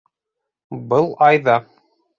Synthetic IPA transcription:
bɤlˠɑjðɑ

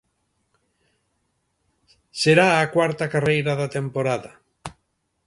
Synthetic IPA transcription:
seɾaːkwaɾt̪akarejɾaðat̪empoɾaðɐ

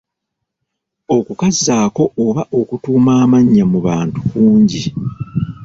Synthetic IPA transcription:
o̞kukazːaːko̞ːβaʔo̞kutuːmaːmaɲːamuβaːntukuːɲɟi

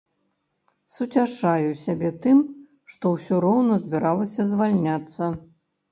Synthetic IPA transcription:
sut͡sʲaʂajusʲabʲɛt̪ɨm | ʂt̪ɔwsʲɔɾɔwnɐzʲbʲiɾalˠɐsʲɐzvalʲnʲat̪sːɐ

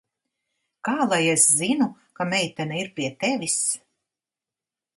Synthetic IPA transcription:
kaːlˠajeszinu | kamɛjt̪ɛnaiɾpʲiɛt̪evis

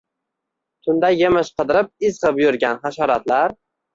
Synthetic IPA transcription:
t̪ʰʊnd̪ajːemɪʃqʰɨd̪ɪɾɪp̚ɪzʁɨpjʊɾɡʲanχaʃɒɾat̪laɾ

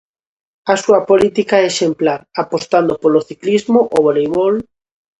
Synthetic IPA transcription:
asuapolit̪ikaeʃemplaɾapost̪and̪opoloθiklizmoʔoβolejβol

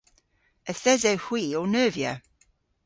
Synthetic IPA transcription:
əθɛzɛwhwiːonœːvjə̰

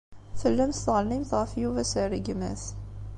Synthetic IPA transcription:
θəlːæmθt̪ʁəlnimθʁəfjuvæsəɾiɡmæ̰θ

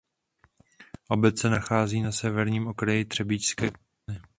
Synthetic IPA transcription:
ʔo̞bɛt͡sɛnaxaːziːnasɛvɛɾɲiːmʔo̞kɾajɪt̪r̥ɛbɪcskɛː | ɪ

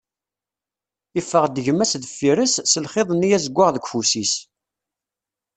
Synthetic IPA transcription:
ifːəʁd̪əʝəmːæsðəfːiɾəsːəlχeðˤənːijæzəɡʷːəʁðəɡʷfusis

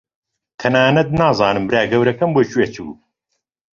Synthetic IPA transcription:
t̪ʰɐnaːnɐt̪̚naːzˤɑːnɨmbɾaːɡɐwɾɐkɐmboːt͡ʃuweːt͡ʃʰṵː

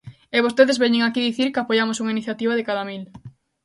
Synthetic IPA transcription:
eβ̞ost̪eðezβɛɲeŋakiðiθiɾkeapoʝamosuŋainiθjat̪iβ̞aðɪkaðamil

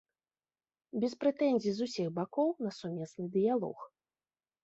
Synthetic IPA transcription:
bʲɛspɾɛt̪ɛnʲzʲizusʲiɣbakɔwnɐsumʲɛsnɨd̪ɨjalˠɔ̰x

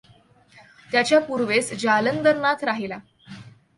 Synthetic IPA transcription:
t̪jat͡ɕjapuɾʋesd͡ʑalənd̪əɾnat̪ʰɾaɦela

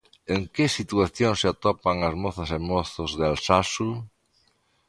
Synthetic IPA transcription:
eŋkesit̪uaθjoŋseat̪ɔpaŋazmɔθasemɔθʊzðalsasu

